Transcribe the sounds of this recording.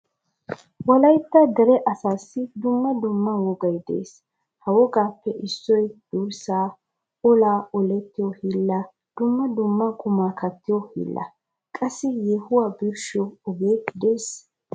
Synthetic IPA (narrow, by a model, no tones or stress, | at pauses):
wɐlɐjt̪ːɐd̪ɛɾɛʔɐsaːsːɪd̪ʊmːɐd̪ʊmːɐwɔɡɐjd̪ḛːs | hɐwɔɡaːpːɛʔɪsːɔjd̪̥uːɾsaː | ɔlaːɔlɛt̪ːɪjɔhilːɐ | d̪̥ʊmːɐd̪ʊmːɐkʼʊmaːkɐt̪ːɪjɔhḭlːɐ̰ | kʼɐsːɪjɛhʊwaːbɪɾʃɪɔɔɡeːd̪eːs